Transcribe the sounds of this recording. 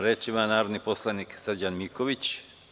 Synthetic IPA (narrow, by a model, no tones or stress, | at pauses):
ɾet͡ʃimanaːɾod̪niposlˠaniksəd͡ʑanmiko̞ʋit͡ɕ